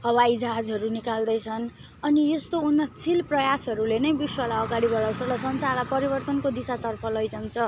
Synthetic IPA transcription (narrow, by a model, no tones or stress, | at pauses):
ɦʌwaid͡zaɦad͡zɦʌɾunikald̪ʌjt͡sʰʌn | ʌnijest̪ounːʌt͡sʰilprʌjasɦʌɾulenʌjbiswʌlaʌɡaɽibʌlaw̃sʰʌlʌsʌnsalapʌɾibʌrt̪ʌnkod̪isat̪ʌrpʰʌlʌjd͡zʌnt͡sʰʌ